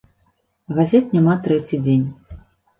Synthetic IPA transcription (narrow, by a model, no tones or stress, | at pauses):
ɣazʲɛt̪nʲamat̪ɾɛt͡sʲid͡zʲenʲ